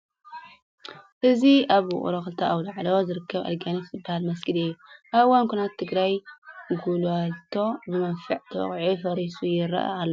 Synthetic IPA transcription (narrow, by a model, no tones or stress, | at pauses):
ʔɨziʔaβwʊ̰χʼɾoxɨlt̪ʰɐawlaʕlozɨɾɨkʰːɐβa̰lɡanifzɨbːahalmɐsɡɨlɨjːuʔaβɨwankʰunat̪ʰːɨɡɾajɡulat̪ʰːo̞bɨmɐnfiʕt̪ʰɐw̰χʼʕifɐɾisujɪɾɐ̰ʔa̰alːo